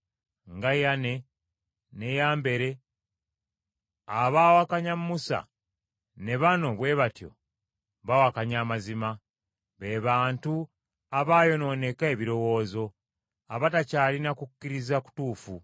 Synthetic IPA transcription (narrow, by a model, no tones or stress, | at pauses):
ŋɡajane̞ | ne̞jaːmbe̞ɾe̞ | aβaːwakaɲammusa̰ | ne̞βano̞βwe̞βatjo̞̰ | βawakaɲaːmazima | βeβaːntu | aβaːjo̞no̞ːne̞kae̞βiɾo̞wo̞ːzo̞ | aβatacaːlinakukːiɾizaku̥tuːfu